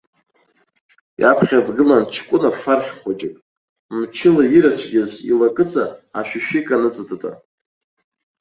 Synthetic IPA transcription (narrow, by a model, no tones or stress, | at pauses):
jʔapʰχʲadɡɨlant͡ʃʰkʷʼʊnafarχʲχʷad͡ʒɪkʼ | mt͡ʃʰɪlaiɾat͡ɕʷʰɡʲɪzḭlakʼɨt͡sʼaaʃᶣiʃᶣikʼanɨt͡sʼɨtʼɨtʼa̰